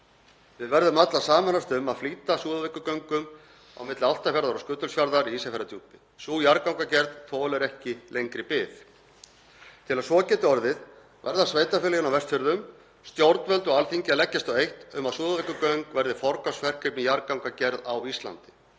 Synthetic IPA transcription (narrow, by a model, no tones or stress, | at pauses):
vɪðvɛɾðʏmat̪lasaːmanast̪ʏmaðfliːt̪asuːðavɪkːʏkœŋkʏm | a̰wmɪt̪lɪawl̥t̪afjaɾðaɾawskʏːt̪ʏlsfjaɾðaɾiiːsafɛɾat̪ʰuːp̪ɪ | suːjaɾkawŋkacɛɾðt̪ʰoːlɛɾɛhcɪlejŋkɾɪpɪθ | t̪ʰɪlaðsvɔːcɛːt̪ɪɔɾðɪð | vɛ̰ɾðasveːjt̪afɪːljɪnawvɛst̪fʏɾðʏm | st̪jowɾt̪nvɛlt̪ɔɣalθiɲcɪalɛcːast̪ɔejht̪ʏmaðsuːðavɛkːʏkœŋkvɛɾðɪfɔɾkasfɛr̥kʰɾɪpnɪjaɾkawŋkacɛɾða̰wist̪la̰nt̪ɪ̥